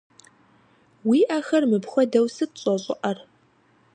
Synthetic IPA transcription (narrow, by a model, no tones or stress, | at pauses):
wiːʔɐxɐrmɨpxʷɔdɐwsɨt̚ɕʼɔɕʼɪ̰ʔɐr